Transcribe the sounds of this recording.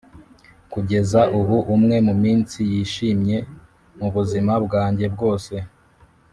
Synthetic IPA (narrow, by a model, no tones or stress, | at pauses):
kuɟe̞zaʔuβuʔumŋe̞mumiːnsijiːʃiːmɲe̞ | muβuzimabɡaːɲɟe̞bɡo̞ːse̞